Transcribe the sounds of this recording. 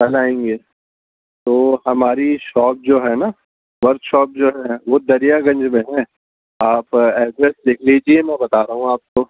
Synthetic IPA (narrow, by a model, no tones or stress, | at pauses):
pɐlaːẽːŋɡeː | t̪oːhɐmaːɾiʃɔːp̚d͡ʒoːɦɛna | ʋɐɾkʃɔːp̚d͡ʒoːɦɛʋod̪ɐɾijaɡɐ̃ɲd͡ʒmẽɦɛ̃ | aːpɛːɖɾɛsd̪eːkʰlid͡ʒiemɛ̃bɐt̪aːɾɐɦũaːp̚ko